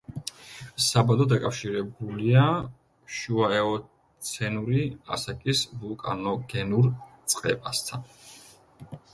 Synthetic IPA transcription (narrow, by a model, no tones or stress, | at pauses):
sabalɔd̪akʼafʃiɾɛbulia | ʃuaɛɔ | t̪sʰɛnuɾia̰sakʼisvulˠkʼa̰nɔɡɛnuɾt̪sʼqʼɛ̰pʼast̪ʰan